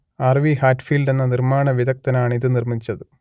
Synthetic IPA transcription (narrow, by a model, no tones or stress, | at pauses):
ɐrʋihaːʈːfiːlɖe̞nːɐnirmaːɳɐʋiðɐk̚t̪ɐnaːɳɨiðɨnirmit͡ɕːɐðɨ